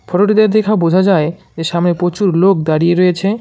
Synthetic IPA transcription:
fʰɔɾoʈid̪eɾd̪ekʰabod͡ʑʱad͡ʑae | d͡ʑeʃamnepɾot͡ɕuɾlokd̪aɾijeɾoet͡ɕʰe

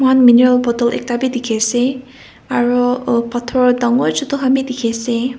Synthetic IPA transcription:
manminɛɹalbɔtɔlɛ̰k̚tabidikʰasɛ | aɹupatʰɔɹdaŋɔjzɔtɔɦamidikʰasɛ

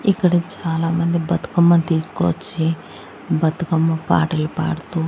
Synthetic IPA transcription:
ikːɐɽɐt͡ʃaːlaːmɐnd̪ibɐt̪ɐ̥kɐmːɐt̪iːsu̥ko̰t͡ʃːi | bɐt̪ukɐmːɐpa̰ːʈɐlpa̰ːɽɐt̪u

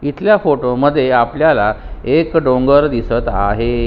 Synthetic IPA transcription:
it̪ljafoʈoməd̪ʱːjeapljala | ekɖõŋɡəɾd̪isət̪a̰ɦe

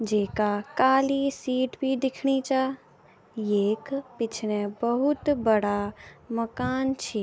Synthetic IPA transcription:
d͡ʒeːkakaːlisiːʈbʱiɖɪkʰɽ̃it͡ʃa | jeːkpɪt͡ʃʰnẽbəɦʊt̪bəɽaməkaːnt͡ʃʰi

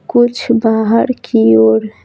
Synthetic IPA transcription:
kʊt͡ʃʰbaɦaɾkʰioɾ

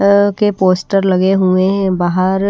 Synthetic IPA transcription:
kepoːsʈəɾlɐɡeɦũebaːɦəɾ

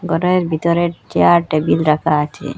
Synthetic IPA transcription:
ɡɔɾoeɾbʱit̪ɔɾeɾt͡ʃeaɾʈebilɾakʰaat͡ʃʰḛ

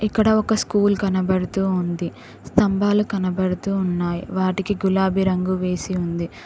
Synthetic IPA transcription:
ikːɐɽɐɔkɐskuːlkɐnɐbɐɽut̪uːund̪i | st̪ɐmbʱaːlukɐnɐbɐɽut̪uːunːaːjiʋaːʈikiɡulaːbʱiɾɐŋɡuʋe̞ːsiund̪i

